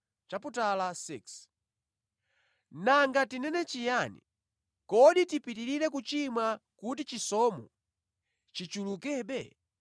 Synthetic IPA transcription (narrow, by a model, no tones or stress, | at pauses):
t͡ʃaputalasiks | naŋɡatinɛnɛt͡ʃijanḭ | kɔɗitipitiɾiɾɛkut͡ʃimakut̬it͡ʃisɔmɔ̰ | t͡ʃit͡ʃulukɛɓɛ